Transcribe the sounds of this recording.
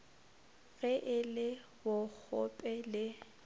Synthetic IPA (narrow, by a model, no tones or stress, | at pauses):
ɣɛʔɪlɪ | wʊk͡xʰɔ̰pʼɛlɪ